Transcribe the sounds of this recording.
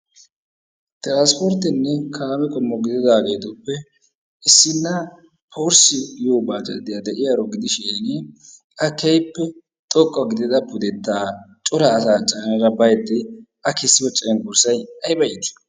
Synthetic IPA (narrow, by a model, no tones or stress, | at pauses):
t̪ʼɪɾaːnspɔɾt̪ːɪnːɛkʰaːmɛkʼɔmːɔɡɪd̪ɪd̪aːɡe̞ːt̪ɔpːɛ | ɪsːɪnːɐ | pʰɔɾsɪjoːbaːt͡ʃʼɐ̰d̪ɪjad̪ɛʔɪjaɾɔɡɪd̪ɪʃeːnɪ | ʔɐkɛjpːɛ | t̪ʼɔkʼːɔɡɪd̪ɪd̪ɐpʊd̪ɛt̪ːaːt͡ʃʼʊɾɐːsaːt͡ʃʼɐnɐɾɐbɐjd̪ːɪ | ɐkesːɪbɔt͡ʃʼːɐnɡʊɾsɐjɐjbɐjɪt̪ɪ̥